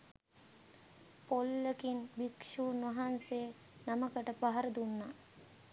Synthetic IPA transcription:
polːəkinbikʂuːnʋaɦanse | naməkəʈəpaɦaɾəd̪unːa

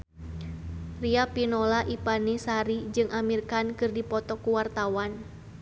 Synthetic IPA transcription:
riapinɔlaʔipanisaɾid͡ʒɨŋʔamirkankɨrdipɔt̪ɔkːuwart̪awan

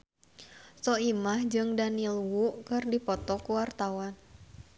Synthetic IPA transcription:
sɔimahd͡ʒɨŋdanilwuʔkɨrdipɔt̪ɔkuwart̪awan

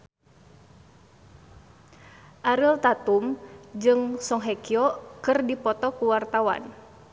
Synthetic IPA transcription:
ʔaɾilt̪at̪umd͡ʒɨŋsɔŋɦɛkiɔkɨrdipɔt̪ɔkuwart̪awa̰n

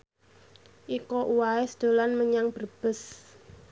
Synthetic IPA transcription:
ʔikɔʔuwaesd̪̥o̤lanməɲaŋb̥ərb̥ə̤s

